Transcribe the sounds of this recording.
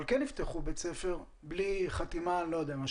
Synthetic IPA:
lkɛnift̪eχubet͡sefe̞ʁ | bliχat̪imanlojod̪eamaʃ

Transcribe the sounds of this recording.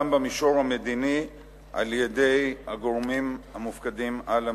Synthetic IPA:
mbamiʃo̞ʁhamed̪ini | ʔa̰ljede̞jhaɡoʁmimhamufkadimala

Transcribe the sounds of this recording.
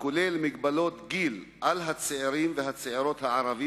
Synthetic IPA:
kolelmiɡbalo̞t̪ɡilʔalɦat͡seeɾimveɦat͡seeɾo̞t̪haʕaʁavi

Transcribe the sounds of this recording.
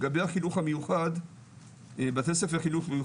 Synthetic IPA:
ɡabejhaχinuχhamejuχad̪ | bat̪esefaχinuχmeju

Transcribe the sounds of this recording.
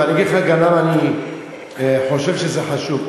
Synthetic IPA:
aniɡidχaɡanamani | ħo̞ʃe̞vʃezeħaʃub

